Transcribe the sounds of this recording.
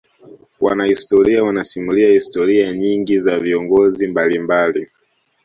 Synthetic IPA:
wa̰nahistɔɾiawanasimuliahistɔɾiaɲiŋɡizaviɔŋɡɔzimbalimbali

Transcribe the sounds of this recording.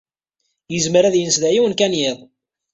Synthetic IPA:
jəzmɾæðjənsðæjiwənkænjɪðˤ

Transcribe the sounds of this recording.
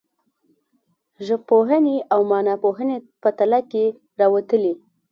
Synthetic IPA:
ʒəpːoɦəneʔawmɑnɑpoɦəne | pət̪alake | ɾɑwat̪əle

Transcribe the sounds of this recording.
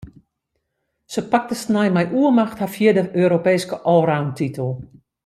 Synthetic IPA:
səpak̚təsnajmɛjʔuəmaxthafjɪədəʔøːɾopeːskəʔɔːɾawntʰitʰəlˠ

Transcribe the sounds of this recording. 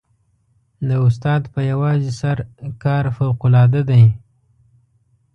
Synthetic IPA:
d̪əʊst̪ɑd̪pəjawɑzisaɾkɑɾfawqʊlɑd̪ad̪aj

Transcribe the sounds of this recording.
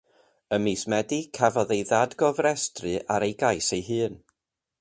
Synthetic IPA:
əmiːsmɛdikʰavɔðejðadɡɔvɾɛstrɨʔaɾejɡajsejɦɨːn

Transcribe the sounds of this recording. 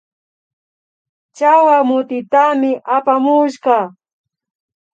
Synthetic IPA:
t͡ʃawamʊt̪ɪt̪amɪʔapamʊʃɢɑ

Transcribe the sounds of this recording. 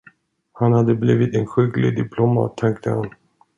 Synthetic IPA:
hanhad̪ːəbliːvɪt̪ɛnɧʏɡlɪ̰d̪ɪpʰlɔmɑ̰t̪ʰːɛŋk̚t̪ʰəhan

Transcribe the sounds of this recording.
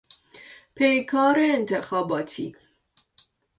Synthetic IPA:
pʰejkʰɑːɾeːnt̪ʰexɑːbɑːt̪ʰḭ

